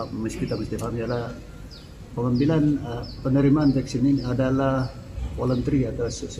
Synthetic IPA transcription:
məskit̪aməst̪ifamijala | pəŋəmbilanpənəɾimaːnt̪ɛksiniadalah | wolənt̪əɾiat̪aws

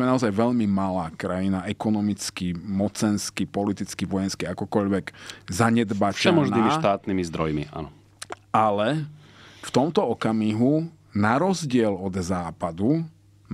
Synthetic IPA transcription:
mɛnaɔzajʋɛʎmimalaːkɾajinaʔɛkɔnɔmit͡skimɔt͡sɛnskipɔlit̪it͡skiʋɔjɛnskiakɔkɔʎʋɛɡzaɲɛd̪baːt͡ʃɛmɔʒniːmiʃt̪aːt̪nimizd̪ɾɔjmḭʔa̰nɔ | alɛ | ft̪ɔmt̪ɔɔkamiɦu | naɾɔzɟɪɛlɔd̪zaːpad̪u

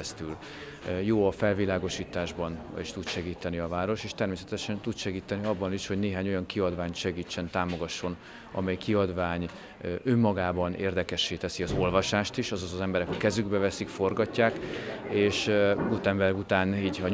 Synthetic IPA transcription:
st̪yl | joːɒfɛlvilaːɡo̞ʃiːt̪aːʒbɒniʃt̪ut̪ʃɛɡiːt̪ɛniɒvaːɾo̞ʃeːʃt̪ɛrmeːsɛt̪ɛʃɛnt̪ud̪ʃɛɡiːt̪ɛniɒbːɒniʃho̞ɟneːɦaːɲo̞jɒŋkiɒd̪vaːɲt̪ʃɛɡiːt͡ʃːɛnt̪aːmo̞ɡɒʃːo̞n | ɒ̰mɛjkiɒd̪vaːɲ | ømːɒɡaːbɒneːrd̪ɛkɛʃːeːt̪ɛsiɒzo̞lvɒʃaːʃt̪iʃɒzɒzɒzɛmbɛɾɛkɒkɛzyɡbɛvɛsikfo̞rɡɒcːaːkeːʃut̪ɛmbɛlɡut̪aːniːɟɒ

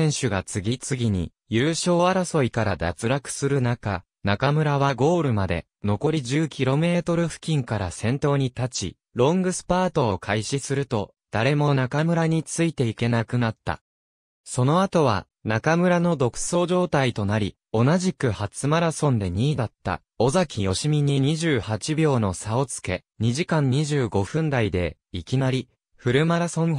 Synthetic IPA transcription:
ẽ̞ɰ̃ɕɨɡat͡sɨɡʲit͡sɨɡʲiɲ̟ḭ | jɯːɕo̞ːaɾaso̞ikaɾad̪at͡sɨɾakɯ̟̥sɨɾɯ̟naka | nakamɯ̟ɾaβaɡo̞ːɾɯ̟mad̪e̞̰ | no̞ko̞ɾʲiʑɨːkʲiɾo̞me̞ːt̪o̞ɾɯ̟ɸɯ̟̥kʲĩŋkaɾasẽ̞nt̪o̞ːɲ̟it̪at͡ɕḭ | ɾõ̞ŋɡɯ̟sɨ̥paːt̪o̞ːkʰaiɕisɨɾɯ̟t̪o̞ | d̪̥aɾe̞mo̞nakamɯ̟ɾaɲ̟it͡sɨit̪e̞ike̞nakɯ̟nat̪ːa̰ | so̞no̞at̪o̞β̞a̰ | nakamɯ̟ɾano̞d̪o̞kɯ̟̥so̞ːʑo̞ːt̪ait̪o̞naɾʲi | o̞naʑikɯ̟hat͡sɨmaɾasõ̞nd̪e̞ɲ̟iːd̪at̪ːa̰ | o̞zakʲijo̞ɕimʲiɲ̟iɲ̟iʑɨːhat͡ɕibʲo̞ːno̞sao̞t͡sɨ̥ke̞̰ | ɲ̟iʑikãɲ̟ːiʑɨːɡo̞ɸɯ̟̃nd̪aid̪e̞ | ikʲinaɾʲi | ɸɯ̟ɾɯ̟maɾasõ̞ŋ

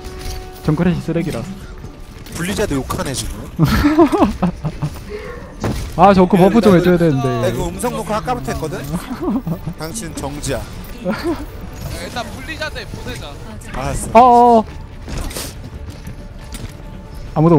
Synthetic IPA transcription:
t͡ɕʌŋk͈ɯɾeɕʰis͈ʰɯɾeɡiɾa | puʎːid͡ʑadɯjokʰanɦed͡ʑʰino | at͡ɕʌkʰɯpʌpʰɯt͡ɕomhed͡ʑojadwenɯnde̞kɯɯmsʰʌŋnokʰɯɭak͈abɯtʰek͈ʌdɯɲ | taŋɕʰint͡ɕʌŋd͡ʑia | t͈apuʎːid͡ʑadepoed͡ʑa | aasʌ | amudo

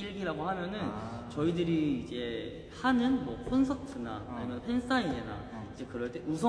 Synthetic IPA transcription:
iɭɡiɾaɡohamjʌnɯnt͡ɕʌidɯɾiːd͡ʑe̞ | hanɯnmwʌpʰonsʰʌtʰɯna̰imjʌnpʰens͈ainena̰id͡ʑe̞kɯɾʌɭt͈e̞usʰʌ

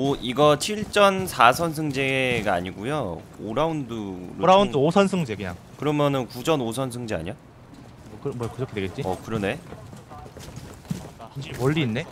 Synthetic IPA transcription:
oiɡʌt͡ɕʰiɭt͡ɕ͈ʌnsʰasʰʌns̬ʰɯŋd͡ʑe̞ɡaa̰ɲiɡujoo̰ɾaundɯɾoɾaundɯosʰʌnsʰɯŋd͡ʑekɯɲa̰ŋ | kɯɾʌmjʌnɯnkud͡ʑʌnosʰʌnsʰɯŋd͡ʑea̰ɲʌ | ʌkɯɾmkɯɾʌkʰeeɡet̚t͡ɕ͈iʌ̰kɯɾʌne̞ | sʌnɕʰiɾimʌʎːiːnːe̞

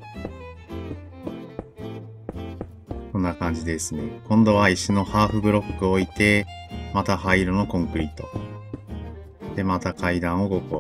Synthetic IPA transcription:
sõ̞nːakãɲ̟d͡ʑid̪e̞sɨne̞kõ̞nd̪o̞βaiɕino̞haːɸɯ̟bɯ̟ɾo̞kːɯ̟o̞it̪e̞mat̪ahaiɾono̞kõ̞ŋkɯ̟ɾʲit̪ːo̞ | d̪̥e̞mat̪akaid̪ãɰ̃o̞ɡo̞ko

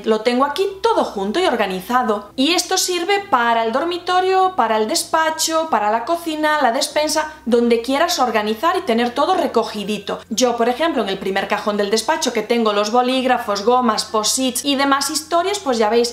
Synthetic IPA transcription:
lo̞t̪eŋɡoakit̪o̞ðoxunt̪oio̞ɾɣaniθaðoie̞st̪osiɾβe̞paɾaeld̪o̞ɾmit̪o̞ɾjopaɾaeld̪e̞spat͡ʃopaɾalako̞θinalaðe̞spe̞nsaðõ̞nd̪e̞kje̞ɾaso̞ɾɣaniθaɾit̪e̞ne̞ɾt̪o̞ð̞ore̞ko̞xiðit̪od͡ʒo̞po̞ɾexẽ̞mploeŋe̞lpɾime̞ɾkaxo̞nd̪eld̪e̞spat͡ʃoke̞t̪e̞ŋɡolo̞zβo̞liɣɾafozɣo̞maspo̞sisiðe̞masist̪o̞ɾjaspwezʝaβejs

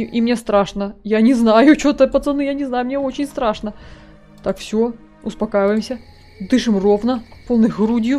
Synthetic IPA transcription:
ʔimnʲest̪ɾaʂnəjanʲɪznajʊt͡ɕot̪əpət̪sɨnɨjanʲɪznajʊmnʲeot͡ɕɪnʲst̪ɾaʂnə | t̪akfsʲo | ʊspɐkajɪvəjɪmsʲə | d̪ɨʂɨmrovnəpolˠnɨɣɾudʲjʊ

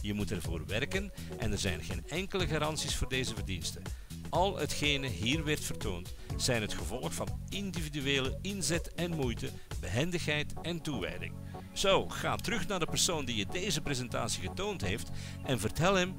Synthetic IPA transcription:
jəmutɛrvo̰ːrʋɛrkən | ʔɛ̰nərzɛ̰jnɣeːnɛŋkələɣaːɾɑntsisfʊːrdeːzəvərdinstə | ɑlˠɦə̰txeːjnəɦiːrʋɛrtfərtoːnt | z̥ɛjnɦətxəvɔlˠəxfɑnɪndividyeːləɪnzɛtɛnmujtə | bəɦɛndəxɦɛjtɛntuʋɛ̰jdɪ̰ŋ | z̥owɣa̰ːtəɾɵxnaːrdəpərsoːndijədejzəprezɛnta̰ːsiɣətoːwntɦejft | ɛnvərtɛlˠɦɛm

